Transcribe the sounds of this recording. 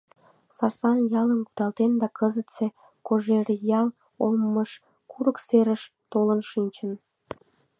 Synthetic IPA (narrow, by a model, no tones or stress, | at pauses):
sɑrsɑnjɑlənkud̪ɑlt̪end̪ɑkəzət̪t͡se | koʒeɾjɑl | omːəʃ | kuɾəkseɾəʃ | t̪olənʃinʲt͡ɕən